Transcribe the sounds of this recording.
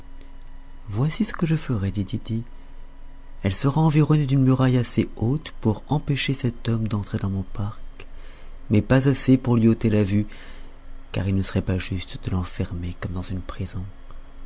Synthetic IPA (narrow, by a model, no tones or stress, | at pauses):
vwasisə̥kəʒəfəʁɛd̪it̪id̪i | ɛlsəʁaɑ̃viʁɔned̪ynmyʁajaseot̪puʁɑ̃peʃesɛt̪ɔmd̪ɑ̃t̪χed̪ɑ̃mɔ̃paʁk | mɛpazasepuʁlɥiot̪elavy | ka̰ʁilnəsəʁɛpaʒyst̪d̪̥əlɑ̃fɛʁmekɔmd̪ɑ̃zynpχizɔ̃